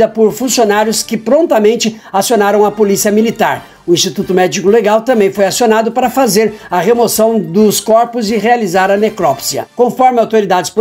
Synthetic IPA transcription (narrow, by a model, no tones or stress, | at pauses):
ɐpoɾfũsionaɾjʊskɪpɾõnt̪ɐmẽnt͡ʃɪ | asionaɾɐ̃w̃ɐpolisiɐmilit̪aɾ | ʊĩst͡ʃit̪ut̪ʊmɛd͡ʒikʊleɡawt̪ɐ̃mbẽj̃fojasionad̪ʊpaɾɐfazeɾɐʁemosɐ̃w̃d̪ʊskɔɾpʊzɪʁealizaɾɐnekɾɔpsiɐ̰kõfɔɾmɪawt̪oɾid̪ad͡ʒɪsp